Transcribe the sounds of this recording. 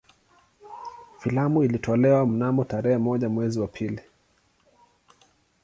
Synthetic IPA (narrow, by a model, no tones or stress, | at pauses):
filamuilitʰɔlɛwam̩namɔtaɾɛhɛmɔʄamwɛziwapʰili